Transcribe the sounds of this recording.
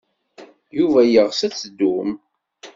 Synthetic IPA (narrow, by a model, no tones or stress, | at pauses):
juvæjəʁsæt͡sːd̪ːum